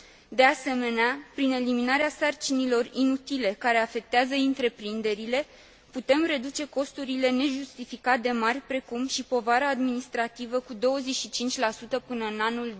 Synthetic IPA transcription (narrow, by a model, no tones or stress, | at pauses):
d̪e̞ase̞me̞neapɾine̞liminaɾeasart͡ʃinilo̞rinut̪ile̞kaɾe̞afe̞k̚t̪eazəint̪ɾe̞pɾind̪e̞ɾile̞ | put̪e̞mre̞d̪ut͡ʃe̞ko̞st̪uɾile̞ne̞ʒust̪ifikat̪̚d̪e̞marʲpɾe̞kumʃipo̞vaɾaːd̪minist̪ɾat̪ivəkud̪o̞wəzeʃit͡ʃint͡ʃʲlasut̪əpɨnəɨnanul